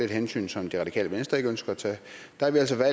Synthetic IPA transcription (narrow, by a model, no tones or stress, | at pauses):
e̝d̥hensy̰ːnsɒ̽md̥iʁɑ̥ikʰɛ̰ːləʋensd̥ɐe̝ɡ̥ønsɡ̥ɐæt͡sʰɛ̰ː | d̥ɑɑʋiæl̰s̬ɒʋæ